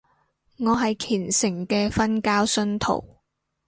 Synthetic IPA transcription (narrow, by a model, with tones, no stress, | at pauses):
ŋɔː˨˧ɦɐ˨jkʰiː˨˩nsɪ˨˩ŋkɛː˧fɐ˥nkaː˥wsɵ˥nt̪ʰo̰˨˩w